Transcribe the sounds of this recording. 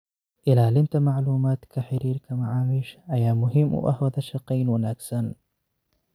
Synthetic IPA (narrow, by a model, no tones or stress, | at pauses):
ʔɪlaːlɪnt̪amaʕluːmaːt̪kaħɪɾiːɾkamaʕaːmɪʃʔajaːmʊɦɪmːʔa̰ʔa̰hwaðaʃːɑqiːnwanaksan